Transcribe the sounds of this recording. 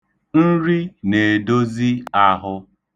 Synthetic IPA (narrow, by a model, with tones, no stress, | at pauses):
n̩˦ɾi˦ne˨do˦zi˦a˦ɦʊ˦